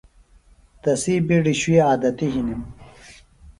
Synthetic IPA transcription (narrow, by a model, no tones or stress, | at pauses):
t̪ɐsiːbiɖiɕuwiaːd̪ɐt̪iɦinim